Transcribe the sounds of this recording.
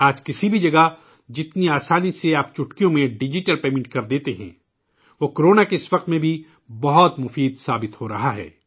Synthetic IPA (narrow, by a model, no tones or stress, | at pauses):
aːd͡ʒkɪsibʱid͡ʒɐɡa | d͡ʒɪt̪niaːsaːniseaːpt͡ʃʊʈkijõmẽɖɪd͡ʒɪʈəlpeːmɪ̃ɳʈ̚kɐɾd̪eːt̪eɦɛ̰̃ː | ʋoːkoɾoːnakeɪsʋɐq̚t̪mẽbʱi | bɐɦɔt̪mʊfiːd̪saːbɪt̪hoɾɐɦaɦɛ̰ː